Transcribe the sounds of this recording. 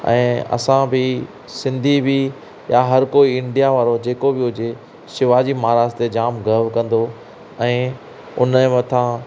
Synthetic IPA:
ɛ̰̃ːɐ̰sãbʱɪ | sɪ̃nd̪ʱibi | jaɦɐɾkoːiɪ̃ɳɖijaʋaːɾod͡ʑeːkobɪʊd͡ʑe | ʃɪʋaːd͡ʑimaːɾaːst̪ed͡ʑaːmɡʱɐʋkɐ̃nd̪o | ɛ̃ː | ʊ̰nmɐ̃t̪ʰã

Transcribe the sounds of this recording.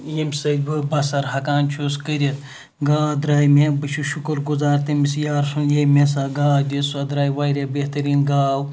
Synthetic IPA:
jimʲsɐdʲbɨbɐsɐɾɦɐkaːnt͡ʃʰuskəɾʲɐt̪̚ | ɡaːd̪ɾaːjmebɨt͡ʃʰuʃukɨɾɡuzaːɾt̪ɐmisjaːɾsunjemes̬aːɡaːd̪ʲisuɐd̪ɾaːjʋaːɾʲebeht̪ɐɾiːnɡaːw

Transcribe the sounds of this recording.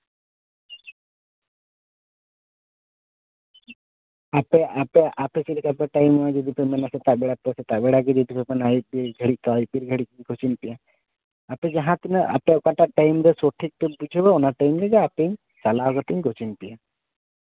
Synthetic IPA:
apɛapɛʔapɛsiɾik̪apɛʈajmɔad͡ʒɔd̪ʱipɛmɛnasɛt̪aʔbɛɽap̪ɔsɛt̪aʔbɛɽaɡɛd͡ʒɔd̪ʱipɛpɛnaj̚biɾɡʱəɽikaaj̚biɾɡʱəɽiiɲɡʱɔt͡ʃinpijaː | pɛd͡ʒaɦãt̪inɛʔa̰pɛɔkaʈaʔʈajmɾɛsɔʈʰik̚t̪ɛbud͡ʒʱɛbaɔnaʈajmɾɛd͡ʒɛapeɲ | salaɦkɔt̪iɲɡʱɔt͡ʃinpija

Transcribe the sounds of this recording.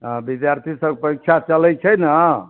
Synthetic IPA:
bid̪jaɾt̪ʰisəɡ̚pəik̚t͡ʃʰat͡ʃəlɛjt͡ʃʰəjnə

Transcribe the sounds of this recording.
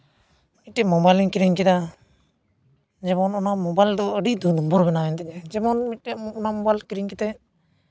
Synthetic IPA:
mit̪̚dɛʔmɔbajliŋkiɾiŋkɛd̪a | d͡ʒɛmɔnɔnamɔbajld̪ɔəɖiʔd̪ud̪umbɔɾbɛnaɛnt̪ɛɲɛd͡ʒɛmɔnmit̪̚ʈɛʔɔnamɔbajlkiɾiŋkɛt̪ɛʔ

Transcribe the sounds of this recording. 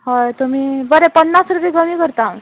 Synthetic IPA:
hojt̪umiːbəɾɛpənːasɾud̪iːɡəmiːkəɾt̪ao

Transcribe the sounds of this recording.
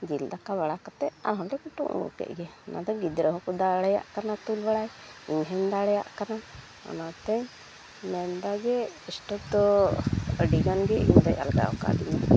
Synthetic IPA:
d͡ʒild̪akaβaɽakɔt̪ɛa̰ɾɦɔmdɛkuʈṵʔnṵkɛ̰ʔ̚ɡɛna̰d̪ɔɡid̪ɾəɦɔkɔd̪aɽɛja̰ʔkanat̪ulbaɽajiɲɦɛɲd̪aɽɛja̰ʔkana | ɔ̰nat̪ɛɲ | mɛnd̪aɡɛisʈɔk̚d̪ɔ | əɖiɡanɡɛḭɲd̪aja̰lɡa̰ɔ̰ka̰d̪ina

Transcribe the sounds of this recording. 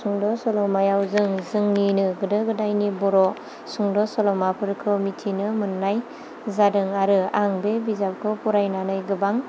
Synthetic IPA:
suŋdɔsɔlɔmajawzɯŋzɯŋninɯɡɯdɯɡɯdajnibɔɾɔ | suŋdɔsɔlɔmapʰɯɾkʰɯmitʰinɯmɯnːaj | zadɯŋaɾɯaŋbebizap̚kʰɯpuɾajnanajɡɯbaŋ

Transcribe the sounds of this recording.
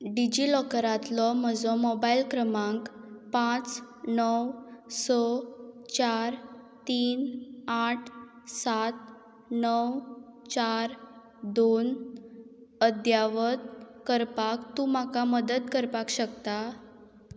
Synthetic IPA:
ɖid͡ʑilɔkɾat̪lɔm̤əd͡zɔmobailkɾəmãŋkpãt͡s | nəwsɔt͡ɕaɾ | t̪iːnaʈʰ | sat̪̚ | nəwt͡ɕaɾ | d̪on | əd̪jaʋət̪̚kəɾpakt̪ũːmakaməd̪ət̪kəɾpakɕəkt̪a

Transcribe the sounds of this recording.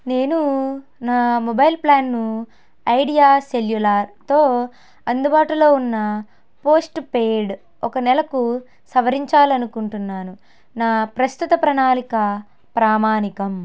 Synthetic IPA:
ne̞ːnunaːmɔbɐjlplaːnːu | ɐjɖijaːseljulaːɾt̪o̞ː | ɐnd̪ubaːʈulo̞ːunːɐ | po̞ːsʈpe̞ːɽ | ɔkɐnɛlɐku | sɐʋɐɾiɲt͡ʃaːlɐnukuɳʈunːaːnu | naːpɾɐst̪ut̪ɐpɾɐnaːlikɐ | pɾaːmaːnikɐm

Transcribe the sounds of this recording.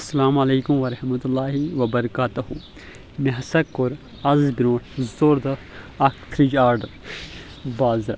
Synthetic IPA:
ɐsːɐlaːmɐleːkʊmʋɐɾɐhmɐt̪ulːaːɦiʋɐbɐɾɐkaːt̪uhʊ | meɦɐsɐkːʊɾ | ɐzbiɾõːʈʰzoːɾd̪ɐ | ɐkt̪ʰɾid͡ʒaːɾɖɐɾ | baːzɾa

